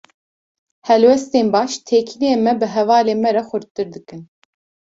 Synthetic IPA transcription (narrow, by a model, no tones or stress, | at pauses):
hɛlwɛst̪eːnbɑːʃt̪ʰeːkʰinieːmɛbɨɦɛvɑːleːmɛɾɛxʷɨɾt̪̚t̪ɨɾd̪ɨkɨn